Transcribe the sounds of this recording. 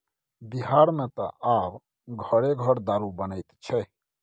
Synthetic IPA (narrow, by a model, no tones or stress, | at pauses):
biɦaɾmet̪ɔ̰ab | ɡʱəɽeɡʱəɽd̪aɾubənəjt̪t͡ʃʰɛ